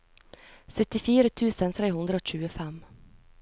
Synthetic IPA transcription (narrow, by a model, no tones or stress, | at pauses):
sœt̪ːɪfiːɾət̪ʰʉ̟ːsənt̪ʰɾeːɦɵnd̪ɾəɔɕʉ̟ːɡʊfɛm